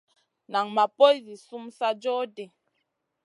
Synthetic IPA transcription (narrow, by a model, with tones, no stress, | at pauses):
na˨ŋma˨po˦i˦zi˨su˦msa˦d͡ʒɔ˦de˨